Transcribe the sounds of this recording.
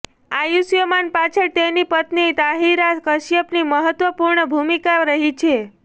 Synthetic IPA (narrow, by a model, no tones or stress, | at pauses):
ajusjəmanpat͡ʃʰət̪enipət̪nit̪aɦiɾakəʃjəpniməɦət̪ʋəpuɾɳəbʱumikaɾəɦit͡ʃʰe